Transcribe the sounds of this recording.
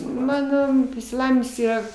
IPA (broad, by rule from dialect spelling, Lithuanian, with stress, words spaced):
ˈmɑːnoː ɪʃʲsʲɪˈlˠɑːʋʲɪnʲɪms ˈiːrɐ